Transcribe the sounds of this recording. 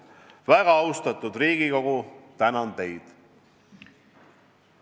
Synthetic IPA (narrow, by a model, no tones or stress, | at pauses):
væɡɑɑwst̪ɑt̪ud̪riːɡ̥iko̞ɡ̥ut̪ænɑnt̪e̞jd̪̥